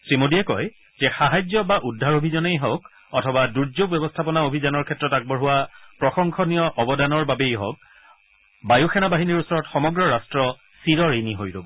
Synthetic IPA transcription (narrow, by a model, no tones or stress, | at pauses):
sɹimodiɛkɔj | z̥ɛxaɦajzjɔbaʔudʱːaɹobʱizɔnejɦok | ɔtʰɔbaduɹzoɡ̚bɛbɔstʰapɔnaobʱizanɔɹkʰɛtːɹɔtak̚bɔɹɦuwapɹɔxɔŋkʰɔnijɔʔɔbɔdanɔɹbabejɦɔ̰k̚ | bajuxʰɛnabaɦiniɹusɔɹɔtxɔmɔɡɹɔɹastɹɔ | siɹɔɹeniɦojlobɔ